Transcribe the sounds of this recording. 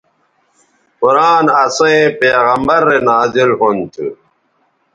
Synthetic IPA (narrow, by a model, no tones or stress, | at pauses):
puɾaːnɐsoẽpeːɣɐmbɐɾːenaːzilɦont̪ʰṵ